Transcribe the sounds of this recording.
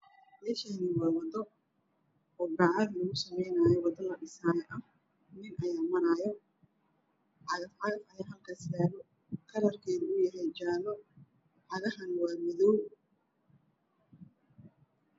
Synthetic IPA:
mɛːʃɛːniːwɑwɑd̪ɔ | ɔːbɑʕɑðlɔɣʊsɐmɛjnaːjɔwɑd̪ɔlɐɗɪsaːjɛʔɐ | nɪnʔɐjaːmɐnajɔ | ħɑɣɐfʕɑɣɐfɐjaːɦɐlkʰaːsaːɣɔ | kʰɐɾɐrkʰɛːðʊjɐɦɛjt͡ʃaːlɔ | ħɑɣɐhɐnwaːmɪðɔw

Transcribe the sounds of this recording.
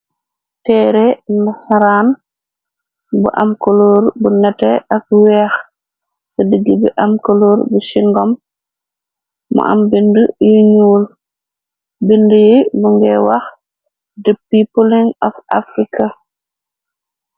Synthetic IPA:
tɛːɾɛnasaɾaːn | bṵʔa̰mkolɔːɾbunɛtɛʔak̚wɛx | sɐdəɡːibɛʔamkoloːɾbusiŋɡɔm | ṵʔa̰mbindujuɲuːl | bindujibuŋɡɛwax | dəpːipoliŋɔfʔa̰fɾika

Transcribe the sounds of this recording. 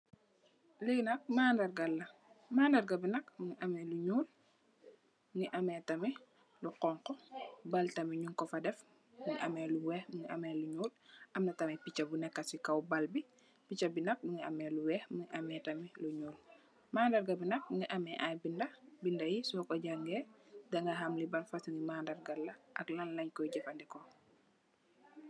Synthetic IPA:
linɐk̚maːndɐrɡɐlːɐmaːndɐrɡɐbinɐkmuŋiʔɐmɛluɲuːl | mŋiʔɐmɛtɐmi | luqɔŋkɔbaltɐmiɲuŋkɔfɐdɛf | muŋiʔɐmɛːluwɛːxmuŋiɐmɛːluɲuːlʔɐmnɐtɐmɛpit͡ʃɐbunɛkːɐsikɐwbɐlbi | pit͡ʃɐbinɐk̚buŋɡiɐ̰mɛːluwɛːxmuŋiʔɐmɛtɐmiluɲuːl | maːndɐɾɡabinɐk̚uŋɡiʔamɛʔajbindɐbindɐjisɔkɔɟaŋɡɛːdɐŋɡɐɦamlibɐnfasuŋɡimandɐrɡɐlːɐʔɐklɐnlɐɲkɔjɟɛfɐndɛkɔ

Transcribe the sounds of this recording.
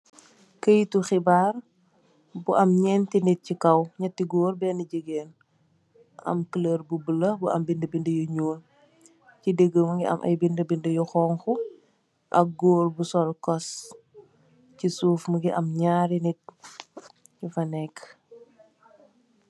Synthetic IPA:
kəjtuxibaːr | buʔɐmɲɛːntinit̚cikɐwɲɐtːiɡoːrbɛːniɟəɡɛːn | ɐ̰mkələrbubəlɐbuʔɐmbindəbindəjuɲoːl | cideɡːəmɐŋɡiʔɐ̰mʔɐ̰jbindəbindəjuxɔːŋxu | ʔɐk̚ɡoːlbusɔlkɔs | cisuːfməɡiʔɐmɲaːɾinit̚ | ɲifɐnɛkː

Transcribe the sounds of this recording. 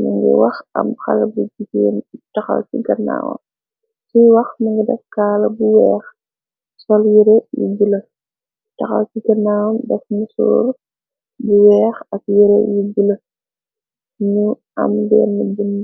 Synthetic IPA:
mɐŋɡɛ̰wɐxɐ̰mxɐ̰lɐbud͡ʒikintɐxɐ̰lsiɡɐnːa̰ːwɐ̰m | siwɐxmɐŋɡɐdɛfkaːlɐbuwɛːx | sɔljiɾɛjṵɡilɐ | tɐxɐ̰lsiɡɐnːaːwɐmdɛfmusṵːɾ | buwɛːxɐkjiɾḛjuɡilɐ | ɲu | ɐ̰mdɛːnːɐbunː

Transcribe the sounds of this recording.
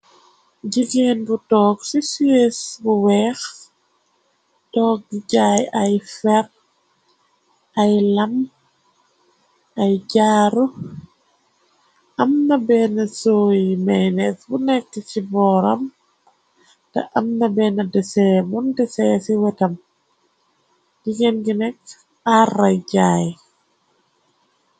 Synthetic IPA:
ɟiɡeːnbutɔːksisiesbuwɛːx | tɔːk̚ɡiɟaːjɐjfɛr | ɐjlɐm | ʔɐjɟaːɾu | ʔɐmnabɛnasoːjimɛjnɛsɡunɛk̚tːit͡ʃibɔːɾa̰m | ta̰ʔamnabɛːnadɛsɛmundɛsɛsiwɛtam | d̥iɡɛnɡinɛk | araɟaːj

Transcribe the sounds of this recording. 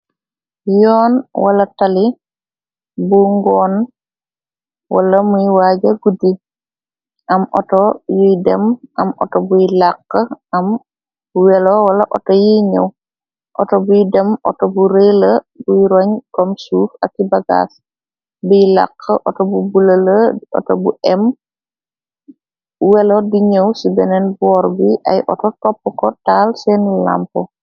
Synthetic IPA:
jɔːnwalɐtali | buŋɡɔːn | wa̰lɐmujwaːɟɐɡudi | ʔɐmʔɔ̰tɔjidɛmʔɐmʔɔ̰tɔbujlaqːəʔɐm | buwɛlɔwɐlɐʔɔtɔjiɲə̰w | ʔɔtɔbujdɛmʔɔ̰tɔbuɾelə | bujɾɔɲkɔmsuːfɐkːibɐɡa̰s | bujla̰qʰːəʔɔtɔbubulələɔ̰tɔbuʔɛm | wɛlodiɲəwsibɛnɛnbɔːɾbiʔɐ̰jʔɔ̰tɔtɔpːkɔtaːlsɛnla̰mpɔ

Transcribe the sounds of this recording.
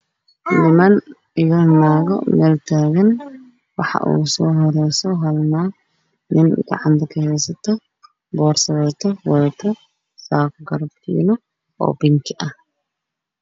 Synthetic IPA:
lɪmɐn | ɪjɐnaːɣɔ̰mɛːlt̪ʰaːɣɐn | wɑħɑ̰ʔṵːsɔːɦɔɾɛjsɔɦɐlnaː | nɪnɡɑ̰ʕɑnt̪ʰɐkʰɐhɛjsɐt̪ʰɔ | bɔːrsɐβɛt̪ʰɔwɐðt̪ʰɐ | saːkɡɐɾɐbkʰḭːnɔ | ɔ̰ːbɪŋkʰɪʔɐh

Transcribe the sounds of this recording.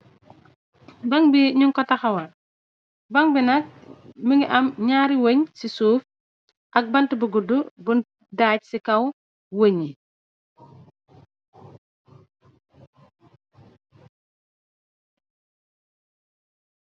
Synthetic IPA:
bɐŋbiɲuŋkɔtɐxɐwɐt | bɐŋbinɐk̚məŋɡiʔɐmɲaːɾiwoɲsisuːf | ʔɐk̚bɐntəbuɡudubun | daːc̚sikɐw | wəɲi

